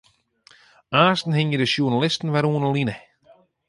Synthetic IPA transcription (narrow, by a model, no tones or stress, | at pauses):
aːstn̩hɪŋjədəʃjunalɪstn̩ʋɛɾuənəlinə